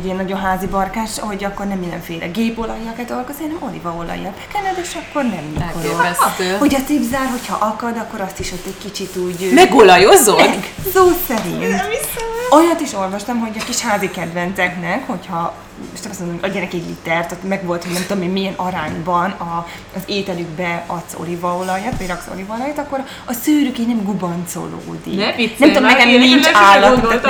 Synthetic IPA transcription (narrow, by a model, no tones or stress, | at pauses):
iɛnːɒɟo̞nɦaːzibɒrkaːʃho̞ɟɒkːo̞rnɛmːind̪ɛ̰ɱfeːlʔɛ̰ɡeːpolɒjɒkɛt̪olkosenɛmo̞lḭvɒolɒ̰jːɒbɛkɛnɛd̪ɛʃɒkːo̞rnɛmikoɾoɛho̞cɒt̪ibzaːrɦo̞chɒʔɒkɒd̪ɒkːo̞ɾɒst̪iʃhot̪ːɛckit͡ʃit̪uːɟmɛɡolɒjozosoːsɛɾḭntt | ojɒt̪iʃo̞lvɒʃt̪ɒmɦo̞ɟɒkiʃhaːzikɛd̪vɛnt̪sɛknɛkho̞chɒ | ʃnɛmsmond̪omɛɛnɛkɛɟlḭt̪ɛrt̪ot̪mɛɡʋo̞lt̪hoɟnɛmt̪ud̪omeːnmijɛnɒɾaːɲbɒnɒ | zeːt̪ɛlyɡbɛɒt̪so̞̰livɒolɒjaːt̪ʋɒɟrɒkso̰livɒlɒjat̪ɒkːoɾ | ɒsyːɾykenɛmɡubɒnt̪so̰lo̰ːd̪ḭnɛmt̪ud̪ommɛkɛmniɲt͡ʃaːlːɒt̪